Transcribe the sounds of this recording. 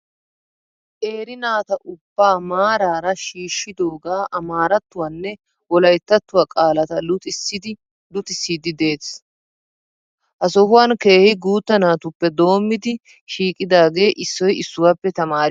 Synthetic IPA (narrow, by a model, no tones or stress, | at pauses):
ʔe̞ːɾɪnaːt̪ɐʔʊb̥ːaːmaːɾaːɾɐʃiːʃːɪd̪o̞ːɡaːʔɐmaːɾɐt̪ːʊwanːɛ | wɔlɐjt̪ːɐt̪ːʊwakʼaːlɐt̪ɐlʊt̪ɪsɪd̪ɪ | lʊt̪ɪsːiːd̪ɪd̪e̞ːs | ʔɐsɔhʊwanke̞ːhɪɡuːt̪ːɐnaːt̪ʊpːɛd̪o̞ːmːɪd̪ɪ | ʃiːkʼɪd̪aːɡe̞ːʔɪsːɔjɪsːʊwaːpːɛt̪ɐmaːɾ